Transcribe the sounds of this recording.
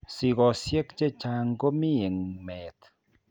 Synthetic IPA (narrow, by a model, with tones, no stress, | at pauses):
si˨ɣɔ˨sje˦kt͡ʃe˦t͡ʃa˨˧ŋɡo˦mi˦e˨ŋmɛ˨t̪